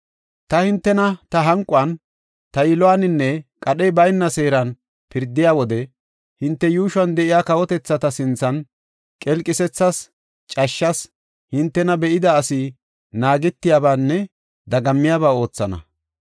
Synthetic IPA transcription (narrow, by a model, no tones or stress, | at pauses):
t̪ɐhɪnt̪ːɛnɐt̪ɐɦɐŋkʼʊɐn | t̪ɐjɪlɔwanɪnːɛkʼɐɗɛjbɐjnːɐse̞ːɾɐn | pɪɾd̪ːɪjaːwɔd̪ɛ | hɪnt̪ːɛjuːʃʊɐnd̪ɛʔɪjaːkɐwɔt̪ɛt͡sːɐt̪ɐsɪnt͡sːɐn | kʼɛlkʼːɪsɛt͡sːɐs | t͡ʃʼɐʃːɐs | hɪnt̪ːɛnɐbɛʔɪd̪ɐːsɪ | naːɡɛt̪ːɪjaːbaːnːɛ | d̪ɐɡɐmːɪjaːbaːo̞ːt͡sːɐnɐ̰